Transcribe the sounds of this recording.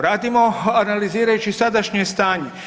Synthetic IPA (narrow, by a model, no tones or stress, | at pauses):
ɾaːd̪imo̞analiziːɾajut͡ʃisad̪aʃɲest̪aːɲe